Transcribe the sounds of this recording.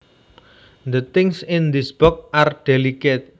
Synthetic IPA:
nd̪ət̪ɪŋsɪnd̪isb̥ɔk̚ard̥eliket̪̚

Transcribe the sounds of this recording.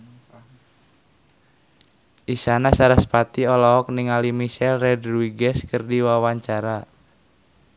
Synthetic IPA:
ʔisanasaɾaspat̪iɔlɔɔk̚niŋalimiʃɛlrɛdruwiɡɛskərdiwawaɲt͡ʃaɾa

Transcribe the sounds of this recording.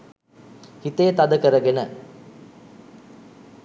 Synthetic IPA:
hit̪ejt̪ɐd̪əkəɾəɡenə

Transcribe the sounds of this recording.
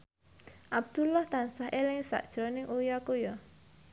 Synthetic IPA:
ʔab̚d̪̥ulɔht̪ansaɦʔelɪŋsa̰ʔd̥ʒ̥ɾɔnɪŋʔujɔkujɔ

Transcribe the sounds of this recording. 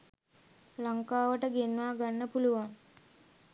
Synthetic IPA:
laŋkaːʋəʈəɡenʋaːɡanːəpuluʋaŋ

